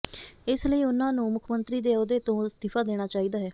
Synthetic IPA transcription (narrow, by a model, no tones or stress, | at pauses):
ɪsləiːʊnãːnũːmʊkʰmənt̪ɾiːd̪eːod̪eːt̪õːst̪ɪpʰaːd̪eːɽ̃aːt͡ʃaːiːd̪aːɦɛː